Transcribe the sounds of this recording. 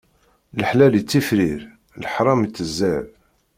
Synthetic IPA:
ləħlælit͡sːifɾiɾ | lħɾˤɑmt͡sːəzːæʕb

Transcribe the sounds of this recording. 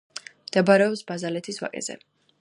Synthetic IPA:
md̪̥ɛbɾɛɔpsbazalɛt̪ʰiswa̰kʼɛ̰zɛ̰

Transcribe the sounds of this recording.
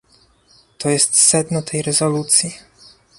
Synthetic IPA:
t̪ɔjɛst̪sɛd̪nɔt̪ʰɛjɾɛzɔlut̪sʲji

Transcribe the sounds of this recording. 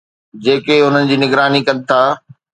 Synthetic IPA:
d͡ʑeːkeʊn̤ənɪ̆d͡ʑiːnɪɡɾaːnikɐ̃nɪt̪ʰaː

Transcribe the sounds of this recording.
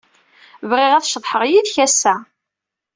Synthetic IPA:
vʁɪʁæθʃðˤħəʁjiðçæsːæ

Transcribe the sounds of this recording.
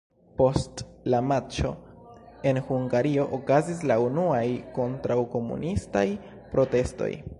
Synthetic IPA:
po̞stlamat͡ʃo̞̰ | e̞nhuŋɡaɾio̞ʔokazis̬launuajko̞ntɾawko̞mṵnistaj | pɾo̞te̞sto̞̰j

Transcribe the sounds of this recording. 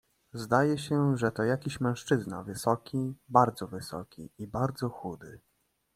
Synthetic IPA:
zd̪ajɛɕɛʐɛt̪ɔjakʲiɕmɛ̃w̃ʂt͡ʂɘzna̰vɘsɔkʲibaɾd̪zɔvɘsɔ̰kʲḭibaɾd̪zɔxud̪ɘ

